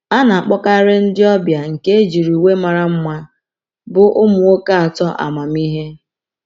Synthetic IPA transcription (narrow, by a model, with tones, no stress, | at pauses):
a˦na˨a˨k͡pɔ˦ka˦ɾe˦n̩˦dɪ˦ɔ˦bja˨ŋ̩˨ke˦e˦d͡ʒi˨ɾu˨we˦ma˨ɾa˨m̩˦ma˦ | bʊ˨ʔʊ˦mʊ˨o˦ka˦a˨tɔ˦ʔa̰˨ma˨mi˦ɦe˦